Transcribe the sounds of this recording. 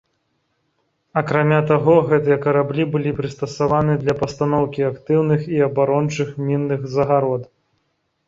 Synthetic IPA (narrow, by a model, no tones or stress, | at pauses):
ɐkɾamʲat̪aɣɔɣɛt̪ɨjɐkɐɾablʲibɨlʲipɾɨst̪ɐsavanɨd̪lʲɐpɐst̪anɔwkʲiakt̪ɨwnɨxiɐbaɾɔnt͡ʂɨxmʲinːɨxzɐɣaɾɔd̪